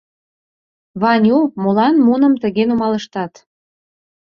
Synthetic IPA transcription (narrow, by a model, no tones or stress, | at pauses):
βɑnʲumolɑnmunə̆mt̪ə̆ɣenumɑlə̆ʃt̪ɑt̪